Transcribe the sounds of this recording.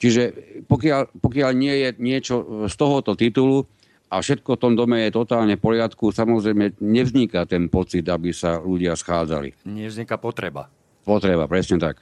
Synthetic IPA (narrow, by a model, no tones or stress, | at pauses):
t͡ʃiʒɛpɔkɪalpɔkɪaʎɲɪɛjɛɲɪɛt͡ʃɔst̪ɔɦɔt̪ɔt̪it̪ulu | afʃɛt̪̚kɔft̪ɔmd̪ɔmɛjɛt̪ɔt̪aːlɲɛfpɔlɪat̪kusamɔzɾɛjmɛɲɛvzɲikat̪ɛnpɔt͡sid̪abisaluɟɪasxaːd͡za̰lḭɲɛvzɲikapɔt̪ɾɛba̰ | pɔt̪ɾɛba̰pɾɛsɲɛt̪ak